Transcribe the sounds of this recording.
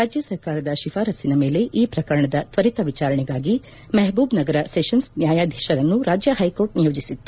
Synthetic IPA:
ɾaːd͡ʒjɐsɐɾkaːɾɐd̪ɐʃifʰaːɾɐsinɐme̞ːle̞ʔiːpɾɐkɐɾɐɳɐd̪ɐt̪ʋɐɾit̪ɐʋit͡ʃaːɾɐɳɛɡaːɡi | mɛɦbuːbnɐɡɐɾɐseːʃɐnsnjaːjaːd̪ʱjɛːʃɐɾɐnːuɾaːd͡ʒjɐhɐjko̞ːɾʈ̚nijoːd͡ʒisit̪ːu

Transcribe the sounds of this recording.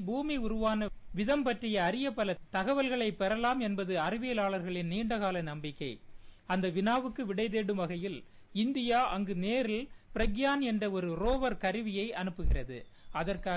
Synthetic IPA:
buːmiʊɾʊʋaːnɐʋɪðɐmpɐʈrɪjɐːɾɪjɐpːɐlɐt̪ɐɣɐʋɐlɣɐɭɐɪpːɛɾɐlaːmɛnbɐðɯɐɾɯʋeːlaːɭɐɾɣɐɭɪnniːɳɖɐɣaːlɐnɐmbɪkːɐɪɐnd̪ɐʋɪnaːʋɯkːɯʋɪɽɐɪðeːɽɯmʋɐɣɐjɪl | ɪnd̪ɪjaːʔɐŋɡɯneːɾɪlpɪɾɐɡjaːnɛndrɐɔɾɯɾoːʋɐɾkɐɾɯʋɪjɐɪʔɐnɯpːɯɣɪrɐðɯ̰ | ɐðɐrkaː

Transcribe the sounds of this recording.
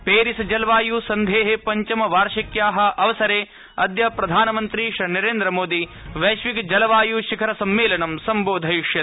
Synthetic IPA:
peːɾisɐd͡ʒɐlɐʋaːjusɐnd̪ʱeːɦepɐɲt͡ʃimɐʋaːɾʃɐkjaːɦɐ̆ɐʋɐsɐɾeː | ɐd̪jɐpɾɐd̪ʱaːnɐmɐnt̪ɾiʃɾinɐɾeːnd̪ɾɐmoːd̪iʋɐjʃʋikd͡ʒɐlɐʋaːjuʃikʰɐɾɐsɐmːeːlɐnɐmsɐmboːd̪ʱɐjuʂjɐ

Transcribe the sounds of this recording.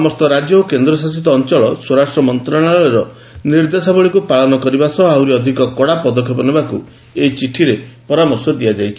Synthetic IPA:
sɔmɔst̪ɔɾad͡ʒjɔokend̪ɾɔsasit̪ɔːnt͡ʃɔɭɔswɔɾasʈɾɔmɔnt̪ɾaɭ̃aɭɔeɾɔ | niɾd̪esabɔɭikupaɭɔnɔkɔɾibasɔɦawɾiɔd̪ʱikɔkɔɽapɔd̪ɔkʰjɔpɔnibakṵ | eit͡ʃiʈʰiɾepɔɾamɔɾsɔd̪iad͡ʒajt͡ʃʰi

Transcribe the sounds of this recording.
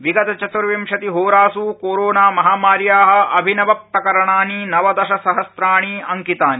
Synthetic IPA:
ʋiɡɐt̪ɐt͡ʃɐt̪ʋɾʋimʃɐt̪iɦoːɾaːsuːkoːɾoːnaːmɐɦaːmaːɾjaːɦɐ̆ʔɐbʱinɐʋɐp̚ɾɐkɐɾɐɳaːninɐʋɐd̪ɐʃɐsɐɦɐsɾaːɳ̃iːɐŋkit̪aːni

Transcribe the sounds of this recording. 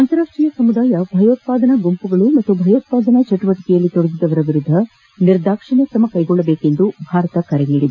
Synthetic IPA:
ɐnt̪ɐɾaːʂʈɾijɐsɐmud̪aːjɐbʱɐjoːt̪̚paːd̪ɐnɐɡompuɡɐɭumɐt̪ːubʱɐjoːt̪̚paːd̪ɐnɐt͡ʃɛʈuʋɐʈi̥kɛjɐlːit̪oɽɐɡid̪ɐʋɐɾɐʋiɾud̪ʱːɐ | niɾd̪ʱaːkʂɐɳjɐkɾɐmɐkɐjɡɔɭːɐbe̞ːke̞nd̪ubʱaːɾɐt̪ɐkɐɾeɡiːɽid̪u

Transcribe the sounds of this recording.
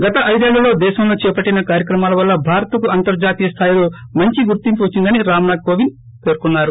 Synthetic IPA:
ɡɐt̪ɐʔɐjd̪eːɭːɐlo̞ːd̪ɛːʃɐmlo̞ːt͡ʃɛːpɐʈːinɐkaːɾjɐkɾɐmaːlɐʋɐlːɐbʱaːɾɐt̪ɐkuɐnt̪ɐɾd͡ʒaːt̪iːjɐst̪ʰaːjɐloːmɐɲt͡ʃiɡuɾt̪impuʋɐt͡ʃːind̪ɐniɾaːmnaːɡ̚koːʋin | pe̞ːɾukunːaːɾu

